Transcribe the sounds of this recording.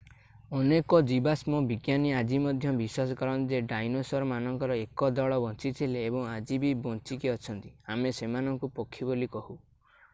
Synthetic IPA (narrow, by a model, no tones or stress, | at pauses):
ɔnekɔd͡ʒibasmɔbiɡjaniad͡ʒimɔd̪ʱjɔbiswasɔkɔɾɔnd͡ʒeɖajnosɔɾmanɔŋkɔɾɔekɔd̪ɔɭɔbɔnt͡ʃit̪ʰileːbɔŋad͡ʒibibɔ̃nt͡ʃikiɔt͡ʃʰɔnt̪i̥amesemanɔŋkupɔkʰːibolikɔhu